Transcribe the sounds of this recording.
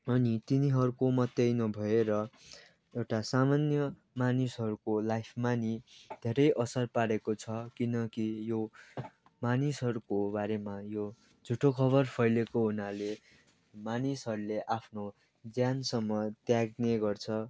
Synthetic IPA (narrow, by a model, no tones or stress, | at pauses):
ʌnit̪iniɦʌɾukomʌt̪jʌjnʌbʱʌeɾʌ | ewʈasamanjʌ | manisɦʌɾukolajpʰmanid̪ʱeɾʌjʔʌsʌrpaɽekot͡sʰʌkinʌkijo | manisɦʌɾukobaɾemajo | d͡zʱuʈokʰʌβʌrpʰʌjlekoɦunale | manisɦʌɾuleʔapʰno | d͡zjansʌmːʌt̪jaɡneɡʌrt͡sʰʌ